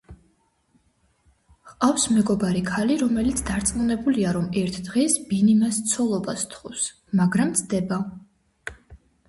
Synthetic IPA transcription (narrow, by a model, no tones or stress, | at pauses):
χqʼafsmɛɡɔbaɾikʰaliɾɔmɛlit̪sʰd̪aɾt̪sʼmunɛbuliaɾɔmɛɾt̪ʰd̪ʁɛsbinimast̪sʰɔlˠɔbast̪ʰχɔs | maɡɾamt̪sʰd̪ɛba